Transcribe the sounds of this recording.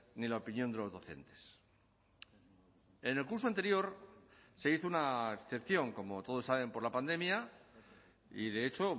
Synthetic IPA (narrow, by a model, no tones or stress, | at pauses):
nilaopinjo̞nd̪e̞lo̞zðo̞θe̞̰nt̪e̞̥s | e̞ne̞lkuɾs̬oant̪e̞ɾjo̞ɾse̞iθounaeksθe̞pθjo̞ŋko̞mo̞t̪o̞ðo̞sːaβe̞mpoɾlapand̪e̞mja | iðe̞et͡ʃo̞